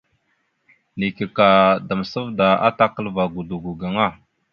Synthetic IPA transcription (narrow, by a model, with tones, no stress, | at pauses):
ni˨ki˨ka˨da˨m˨sə˦vda˨a̰˦ta˦kə˦lva˨ɡu˨du˨ɡu˨ɡa˨ŋa˦˨